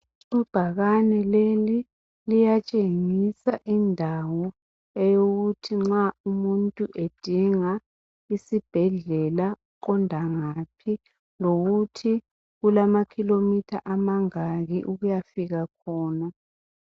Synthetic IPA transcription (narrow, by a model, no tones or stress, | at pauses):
ub̥ʱaɣanɛleli | lijat͡ʃʼeŋisaʔindʱawɔ | ɛjoɣutʰiŋ͡ǁaumuntʼuʔed̥ʱiŋa | isib̥ʱɛɮɛlauǃɔndʱaŋapʰi | loɣutʰi | ɣulamakʰilomitʰaʔamaŋaɣiʔuɣujafiɣakʰɔːna